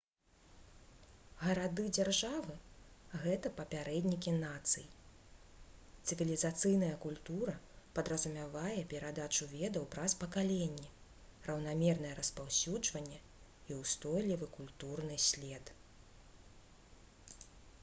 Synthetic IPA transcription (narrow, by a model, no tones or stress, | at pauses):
ɣɐɾad̪ɨd͡zʲarʐavɨɣɛt̪ɐpɐpʲaɾɛd̪ʲnʲik̬ʲinat̪sɨji | t̪sɨvʲilʲizat̪sɨjnɐjɐkulʲt̪uɾɐ | pɐd̪ɾɐzumʲavajɛpʲɛɾad̪at͡ʂuvʲɛd̪ɐwpɾɐspɐkalʲɛnʲːɛ | rɐwn̪amʲɛrnɐjɛɾɐspawsʲud͡ʐvɐnʲːɛ | iwst̪ɔjlʲivɨkulʲt̪urnɨsʲlʲɛt̪